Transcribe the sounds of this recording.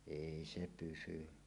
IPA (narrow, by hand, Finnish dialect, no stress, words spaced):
eˑi se pysy